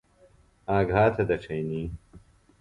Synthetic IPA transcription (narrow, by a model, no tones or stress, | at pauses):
aːɡʱaːt̪ʰɐd̪ɐʈ͡ʂʰɐjniː